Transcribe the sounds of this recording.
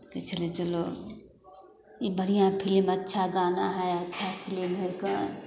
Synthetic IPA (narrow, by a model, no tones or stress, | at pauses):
ket͡ʃɐlet͡ʃɐlo | ibɐɾijãpʰɪlimɐtːʃʰaɡaːnaɦɛɐtːʃʰapʰɪlimɦɛka